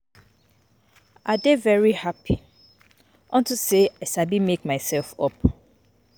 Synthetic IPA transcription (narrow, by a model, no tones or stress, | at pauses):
ʔadevɛɹihapʰi | ʔɔ̃ntʰuseɛsabimekmaɪsɛlfɔp